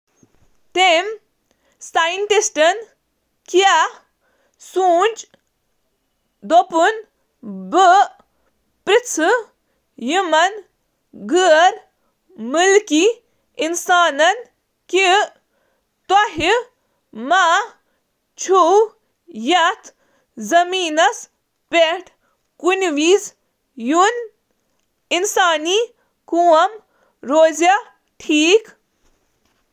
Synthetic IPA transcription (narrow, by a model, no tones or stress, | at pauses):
t̪em | saːjnʈ̪isʈɐn | kja | suːnʲd͡ʒ | d̪opun | bə | pɾit͡sʰɨ | jimɐn | ɡɨɾ | mulki | insaːnɐn | ki | t̪oɦi | maː | t͡ʃʰu | jɐt̪ʰ | zɐmiːnɐs | peʈʰ | kunʋiːz | jun | insaːni | kuːɐm | ɾoːzja | ʈʰiːk